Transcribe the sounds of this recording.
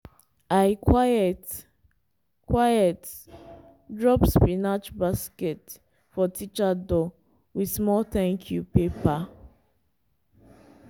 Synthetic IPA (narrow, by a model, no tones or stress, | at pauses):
aɪkʰwaɛt | kwajɛt | dɹɔpspinat͡ʃbaskɛt | fɔtʰit͡ʃadɔ | wismɔltɛ̃ŋkʰjupepa